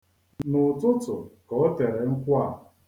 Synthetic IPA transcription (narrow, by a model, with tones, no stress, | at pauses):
nʊ˨tʊ˦tʊ˨kɔ˨˦te˨ɾe˨ŋ̩˦kʷa˦